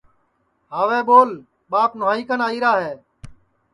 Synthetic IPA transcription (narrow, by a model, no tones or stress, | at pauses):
ɦaːʋeːɓoːl | ɓaːpnʊaːiːkənaːiːɾaːɦeː